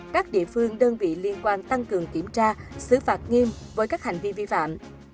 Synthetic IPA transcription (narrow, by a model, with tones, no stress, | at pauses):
kaː˦˥k̚ɗḭ˧˨əfɨ˧əŋɗəː˧nvḭ˧˨li˧ənkwaː˧nt̪a˧ŋkɨ˨˩əŋki˧˩əmt͡ɕaː˧sɨ˧˦faː˨˩t̚ŋi˧mvəː˨˦jkaː˦˥k̚ha˨˩jŋ̟vi˧vi˧fa̰ː˧˨m